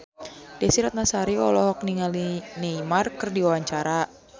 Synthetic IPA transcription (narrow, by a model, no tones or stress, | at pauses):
d̥ɛsiɾat̪̚nasaɾiɔlɔɦɔk̚niŋalineimarkɨrdiwawaɲt͡ʃaɾa